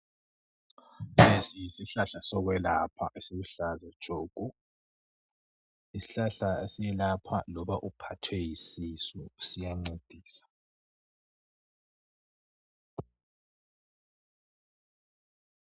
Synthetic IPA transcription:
pʰesiisiɬaɬasɔɣwɛlapʰaʔesiɣuɬazad̥ʒ̥ʱoːɡ̥ʱʼu | isi̥ɬaɬaesijɛlapʰalɔβaʔupʰatʰwɛjisisɔsijaŋ͡ǀed̥ʱiːsḁ

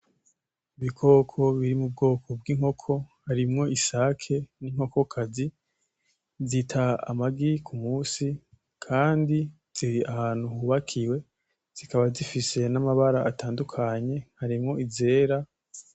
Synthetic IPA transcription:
iβikʰo̞ːkʰo̞βiɾimub̚ɡo̞ːkʰo̞bɡiŋho̞kʰo̞haɾimŋo̞isakʰe̞niŋ̥ho̞ko̞kʰazi | zitʰaa̰maɡikʰumuːsi | kʰaːndi | z̥iɾiahaːn̥huhuβakʰiwe̞ | z̥ikaβazifise̞namaβaɾaʔataːndukʰaɲe̞haɾimŋo̞ize̞ːɾa

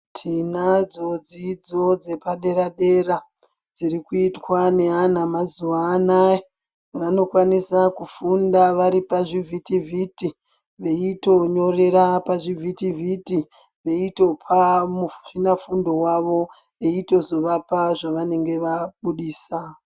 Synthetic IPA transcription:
tʰinad͡zo̞d͡zid͡zo̞d͡ze̞paɗe̞ɾaɗe̞ra | d͡zirikuitwane̞anamazuʋaːnae | ʋano̞kwanisakufundaʋaɾipaʐivʱitivʱiti | ʋe̞ito̞ɲo̞re̞ɾapaʐivʱitivʱiti | ʋe̞ito̞pʰamuinafundo̞waʋo̞ | eito̞zo̞ʋapaʐaʋane̞ŋɡe̞ʋaɓuɗiːsa

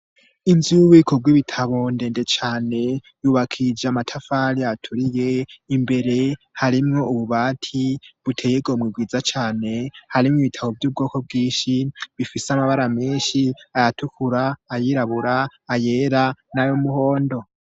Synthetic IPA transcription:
inzuβikʰoɡwiβitʰaβo̞nde̞ːndet͡ʃaːne̞juːβakʰid͡ʒeamatʰafaɾiatʰuɾije̞imbe̞ɾe̞haɾimŋo̞uβuβaːtʰiβutʰejeɡo̞mŋib̚ɡwiːd͡zat͡ʃaːne̞haɾimŋiβitʰaβo̞vjuːb̚ɡo̞ːko̞b̚ɡiːʃiβifiseamaβaɾameːnʃiajatukʰuɾaːjiɾaβuɾaːje̞ːɾanajomuho̞ːndo̞

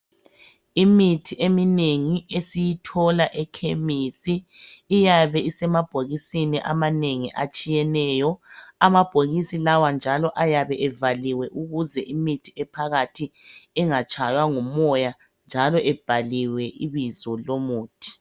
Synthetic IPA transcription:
imitʰiemineŋiesijitʰɔlaʔɛkʰemisiː | jaβɛisɛmab̥ʱoɣisiniʔa̰maneŋiʔat͡ʃʼijɛnɛːjɔamab̥ʱoɣisilawand͡ʒʱalɔʔajaβɛʔɛvaliwɛʔuɣuzɛʔimitʰiɛpʰaɣatʰiɛŋat͡ʃʼajwaŋumɔja | nd͡ʒʱalɔʔɛb̥ʱaliwɛʔiβizɔlomuːtʰʼi̥

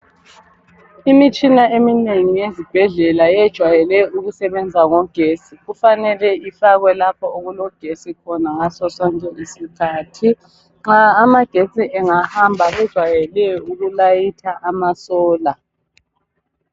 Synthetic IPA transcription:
imit͡ʃʼinaemineŋijezib̥ʱɛɮɛlajɛd̥ʒ̥ʱwajɛlɛuɣusɛβɛnd͡zʱaŋɔɡ̥ʱeːsiɣufanɛlɛifaɣwɛlap̚ʰɔoɣulɔɡ̥ʱesikʰɔnaŋasɔsɔŋkʼɛisikʰaːtʰi | ŋ͡ǁaːmaɡ̥ʱesʼiʔɛŋahambʱaβɛd̥ʒ̥ʱwajɛlɛjɔuɣulajitʰaʔamasɔːla

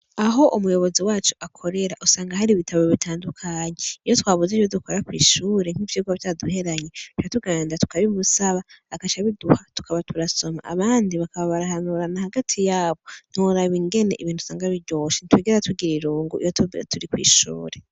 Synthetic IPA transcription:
aɦo̞ʔumujo̞βo̞ziwaːt͡ʃuʔakʰo̞ɾe̞ɾaʔusaːŋɡaɦaɾiβitʰaβoβitʰaːndukʰaɲeijo̞twaːβuzijodukoɾakwḭːʃuːɾe̞ŋ̥hivjiːɡavjaduhe̞ɾaɲe̞tu̥t͡ʃatuɡaːndatu̥kaβimusaβaːkat͡ʃaβiduhatu̥kʰaβatʰuɾaso̞ma̰ʔa̰βaːndiβakaβaβaɾahanuɾanahaɡatʰijaːβo̞n̥uɾaβiŋɡe̞ne̞ʔiβiːn̥u̥saːŋɡaβiɾɟoːʃinitwiːɡiɾatʰuɡiɾiɾuːŋɡuʔḭjottʰuɾikwḭːʃṵːɾe̞

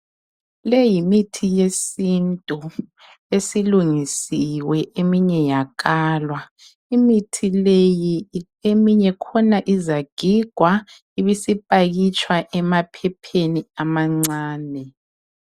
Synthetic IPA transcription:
lejimitʰijesintʼɔ | esiluŋisiwɛʔemiɲɛjak̬ʼaːlwa | imitʰileji | emiɲɛkʰɔnaʔizaɡ̥ʱiɡ̥ʱwa | iβisipʼaɣit͡ʃʼwaʔɛmapʰɛpʰeniamaŋ͡ǀaːnɛ

